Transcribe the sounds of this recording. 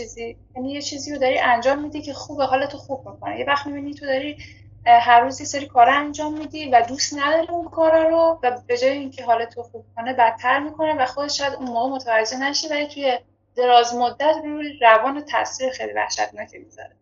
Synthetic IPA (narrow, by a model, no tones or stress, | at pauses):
iːzijænijet͡ʃʰiːziːɾod̪ɒɾiʔænd͡ʒɒːmːiːd̪icʰe̞xuːbeɦɒːlet̪ʰoxub̚mikʰonejevæxt̪mibinit̪ʰod̪ɒɾi | ɦærːuːzjeseɾiːkʰɒːɾɒænd͡ʒɒːmːid̪iːvæd̪ust̪næd̪ɒːɾiunkʰɒːɾɒːɾovæbe̞d͡ʒɒːjeincʰe̞ɦɒːlet̪ʰoxub̥̚kʰonebæt̪ʰːæɾmiːkʰo̞nevæxo̞d̪eʃɔjæd̪unmoːɣemot̪ʰævæd͡ʒːe̞næʃivælit̪ʰuje̞ | d̪̥e̞ɾɒːzmod̪ːæt̪uɾævɒːnet̪ʰæ̰ʔsiːɾexejlḭvæ̰hʃæ̰t̪̚ʰnɒːcʰemizɒ̰ɾe